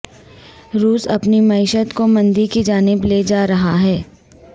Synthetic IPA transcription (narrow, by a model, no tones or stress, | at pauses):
ɾuːsɐpnimɐɪʃət̪komɐ̃nd̪ikid͡ʒaːnɪbleːd͡ʒaːɾɐɦaɦɛː